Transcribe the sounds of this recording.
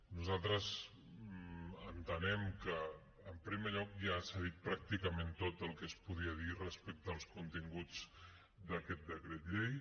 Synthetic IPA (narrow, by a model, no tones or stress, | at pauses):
nuzalˠt̪ɾəz | ənt̪ənɛmkəː | mpɾimeʎɔkʒasaðit̪̚pɾak̚t̪ikəment̪ot̪əlˠkəspuð̞iəðirəspɛk̚t̪əːlˠskunt̪iŋɡud͡z | d̪əkɛt̪̚d̪əkɾet̪ʎej